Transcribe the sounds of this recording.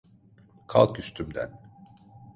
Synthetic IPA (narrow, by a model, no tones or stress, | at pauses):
kʰa̰lˠkyst̪ʰymd̪æ̰n